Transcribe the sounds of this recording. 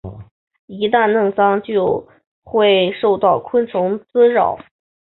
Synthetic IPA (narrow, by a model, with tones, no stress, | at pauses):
i˧˥t̪̬a˥˧nnɤ˥˩ŋsɑ˥ŋt͡ɕjo˥˧ʊ | xwe˥˩ɪʂo˥˧ʊt̪ɑ˥˩ʊkʰwə˥nt͡sʰʊ˧˥ŋt͡sɹ̩˥ɻɑ̰˥˩ʊ